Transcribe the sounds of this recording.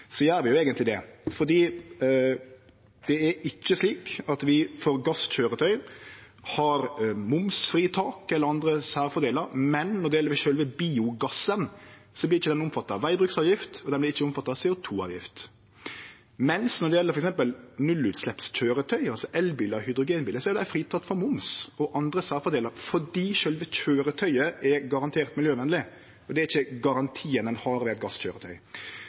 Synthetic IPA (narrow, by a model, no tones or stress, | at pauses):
sɔjæːɾʋɪjʊeːɡənt̪lɪd̪ɛfɔd̪iː | d̪̥ɛæɾɪt͡ʃːəsliːkɑt̪ʋɪfɔɾɡɑsc͡çøːɾət̪ʰœʏ | hɑɾmʊmsfɾiːt̪ʰɑːkɛlːəɾɑnd̪ɾəsæːɾfɔd̪eːləɾmɛnnɔd̪ɛjɛlːəɾʋɪʃøːlʋɛbiːʊɡɑsːən | sɔblɪɾɪt͡ʃːəd̪ɛnʊmfɑt̪ːɑɑːʋæɪbɾʉːksɑːʋjɪft̪ɔd̪ɛblɪɾɪt͡ʃːəʊmfɑt̪ːɑːsɛʊt̪ʰuːɑ̰ːʋjɪ̰ft̪ | mɛnsnɔd̪ɛjɛlːəfɔɾɛksɛmpəlnʉlʉːt̪slɛpsc͡çøːɾət̪ʰœʏɑlsɔʔɛlbiːləɑhʏd̪ɾʊɡeːnbiːləsɔɛɾd̪æfɾiːt̪ʰɑt̪ːfɔɾmʊmsɔʔɑnd̪ɾəsɑːfɔd̪eːləɾfɔɖiːʃœlʋəc͡çøːɾət̪ʰœʏəɛɾɡɑɾɑnt̪ʰeːɾt̪mɪljøːʋɛnlɪ | ɔd̪ɛæɾɪçːəɡɑɾɑnt̪ʰiːənɛnhɑɾʋɛːɛt̪̚ɡɑsc͡çøːɾət̪ʰœʏ